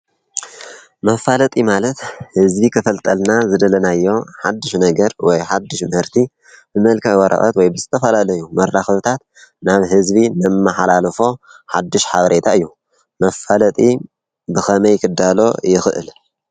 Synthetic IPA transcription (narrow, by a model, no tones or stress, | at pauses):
mɐfalɐt̪ʼimalɐt̪hɨzbikʰɐfɐlt̪ʼɐlnazɨd̪ɐlɐnajːo̞ħad̪ːɨʃnɐɡɐɾwɔjħad̪ːɨʃmɐhɨɾt̪ʰi | bɨmɐlkʰɐjwɐɾʔɐ̰ʔɐ̰t̪wɔjbɨzɨt̪ʰɐfɐlalɐjːumɐɾːaxɐβt̪ʰat̪ | naβɦɨzbinɐmːɨħalalfo̞ħad̪ːɨʃħaβɾe̞t̪ʰaɨjːu | mɐfalɐt̪ʼi | bɨxɐmɐjkʰɨd̪ːalo̞jɪxɨʔɨ̰l